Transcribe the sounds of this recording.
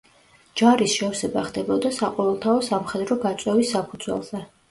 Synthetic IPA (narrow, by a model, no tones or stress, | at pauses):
d͡ʒaɾisʃɛɔsɛbaχd̪ɛbɔd̪asaqʼɔvɛlˠt̪ʰaɔsamχɛd̪ɾɔɡat̪sʼwɛvisːapʰud̪zwɛ̰lˠzɛ